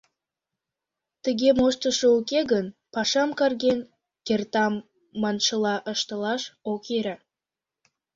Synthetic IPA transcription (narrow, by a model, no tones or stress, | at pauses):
t̪əɣemoʃt̪əʃəukeɣənpɑʃɑmkɑrɣen | kert̪ɑmː | ɑnʃəlɑʔəʃt̪əlɑʃokeɾa